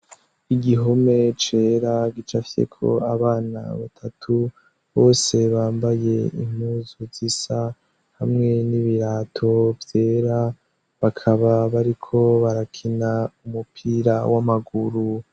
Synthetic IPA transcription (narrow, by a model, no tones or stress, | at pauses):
iɡiɦo̞me̞t͡ʃe̞ːɾaɡit͡ʃafi̥se̞̰kʰo̞̰aβaːna̰βatʰatʰu | βo̞ːse̞βaːmbaje̞ḭm̥huːzuzisa | hamŋe̞niβiɾaːtʰo̞vje̞ːɾa | βakʰaβaβaɾikʰo̞βaɾakʰinaumupʰiːɾa̰wamaɡuɾu